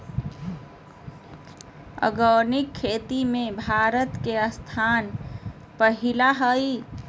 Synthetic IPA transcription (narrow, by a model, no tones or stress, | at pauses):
ə̰ɡənikʰːet̪imebʱaɾət̪keəst̪ʰan | pəɦilaɦəj